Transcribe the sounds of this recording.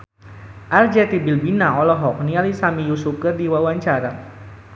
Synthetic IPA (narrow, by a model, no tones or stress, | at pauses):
ʔard͡ʒɛt̪ibilbinaɔlɔɦɔk̚nialisamijusukərdiwawaɲt͡ʃaɾa